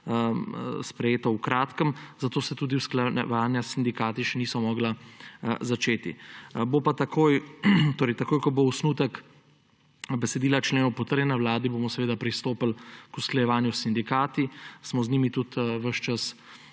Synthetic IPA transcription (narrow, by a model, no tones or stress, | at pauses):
spɾɛjeːt̪ɔwkɾaːt̪kəmzat̪oːsɛt̪uːd̪iwsklaʋaːnjasind̪ikaːt̪iʃɛniːsɔmɔːɡla | zat͡ʃeːt̪ḭbopat̪akʰoːjt̪oːɾɛjt̪akoːjkɔbousnuːt̪ək | bɛsɛd̪iːlat͡ʃleːnɔwpɔt̪əɾjɛnɛwlaːd̪iboːmɔsɛʋeːd̪apɾist̪oːpəlkusklajɛʋaːnjusind̪ikaːt̪ismɔzniːmit̪ut̪ʋəʃt͡ʃas